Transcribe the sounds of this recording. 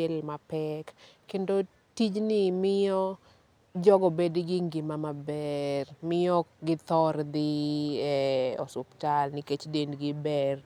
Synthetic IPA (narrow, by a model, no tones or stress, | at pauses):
ɛlmapɛkː | endo | tid͡ʒnɪmɪjɔ | d͡ʒɔɡɔbedɡɪŋɡɪmamabɛrmɪjɔɡɪt̪ɔɾd̪ɪɛɔ̰sʊptalnɪket͡ʃdendɡɪbɛr